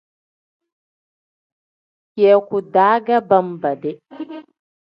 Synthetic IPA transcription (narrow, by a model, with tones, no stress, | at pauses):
keː˨˦kʷu˨daː˦ɡa˦bɐ˦˨mbɐ˨dɛ˦